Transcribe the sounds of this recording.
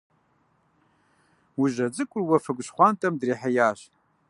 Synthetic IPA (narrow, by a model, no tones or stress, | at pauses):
wuʒɐd͡zʼɨkʷʼʊrwɐfɐɡʷɕχʷantʼɐmdriːħajaːɕ